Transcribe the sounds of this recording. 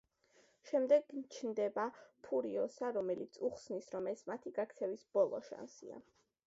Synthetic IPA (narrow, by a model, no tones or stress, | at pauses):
ʃɛmd̪ɛɡ̪t͡ʃʰnd̪ɛbapʰuɾiɔsaɾɔmɛlit̪sʰuχsnisɾɔmɛsmat̪ʰiɡak̚ʰt̪sʰɛvisb̥ɔlˠɔ̰ʃa̰nsḭa̰